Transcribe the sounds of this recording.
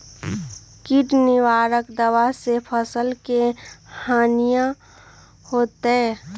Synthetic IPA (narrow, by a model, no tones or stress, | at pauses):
kiʈnɪwaːɾəkd̪əʋasepʰəsəlkehaːnijã | hoːt̪e